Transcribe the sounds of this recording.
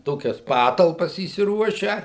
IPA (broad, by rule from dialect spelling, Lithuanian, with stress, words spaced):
ˈtoːkʲɛs ˈpɑːtɐlˠpɐs iːsʲɪˈruɔʃʲæː